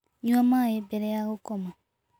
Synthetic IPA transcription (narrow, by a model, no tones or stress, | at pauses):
ɲuamajebɛɾeahokoma